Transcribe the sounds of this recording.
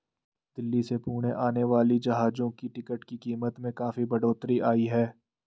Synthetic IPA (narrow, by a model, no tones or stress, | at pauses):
d̪̥ɪlːisepuːɽ̃eʔaːneʋaːlid͡ʒɐɦaːd͡ʒõkiʈɪkəʈkikiːmət̪mẽkaːfibɐɽoːt̪ɾiʔaːiɦɛː